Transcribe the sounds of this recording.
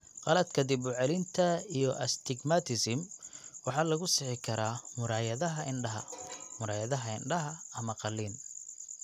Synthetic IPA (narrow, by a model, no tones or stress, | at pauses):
qɑlɐd̪kʰɐd̪ɪbʊʕɛlɪnt̪ʰɐijɞʔɐst̪ʰɪɡmat̪ʰɪsɪmwɑħɑːlɐɣʊsɪħɪkʰɐɾaːmʊɾaːjɐðɐɦɐʔɪɳɖɐɦɐ̰mʊɾaːjɐðɐɦɐɪ̰nɖɐɦɐɐmɐqɑlːiːn